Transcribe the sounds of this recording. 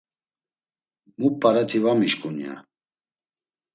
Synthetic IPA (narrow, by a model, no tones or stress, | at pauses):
mupʼːaɾat̪ʰivamiʃkʼunja̰